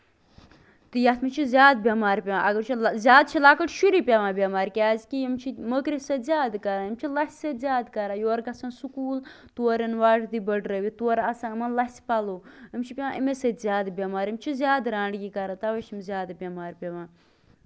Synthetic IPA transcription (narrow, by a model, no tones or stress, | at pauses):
t̪ɨjɐt̪ʰmit͡ʃʰizʲjaːd̪̚bʲjamaːɾpʲeʋãːʔɐɡəɾt͡ʃʰizʲjaːd̪̚t͡ʃʰilaːkəʈʃuɾipʲeʋãːbʲɐmaːɾkʲaːzkijimt͡ʃʰiməkɾisɐzʲaːd̪kɐɾaːimt͡ʃʰilɐsʲsɐt̪zʲaːd̪kɐɾaːjoːɾɡɐsɐnsukuːl | t̪uɾɐnʋaːʈd̪ibəɖɾɐʋit̪uɐɾɐsãːmɐnlɐspɐloːimt͡ʃʰipʲeʋãːʔimesɐt̪zʲjaːd̪bʲɐmaːɾimt͡ʃʰizʲjaːd̪ɾãːɳɖɡikɐɾat̪ɐʋɐt͡ʃʰimzʲjaːd̪abʲɐmaːɾpʲeʋãː